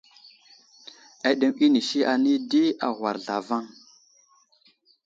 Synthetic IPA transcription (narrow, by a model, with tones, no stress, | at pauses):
a˨ɗe˨mi˦ni˨ʃi˦ʔa˨ni˦di˦a̰˨ɣwa˨ɾɮa˨va˦ŋ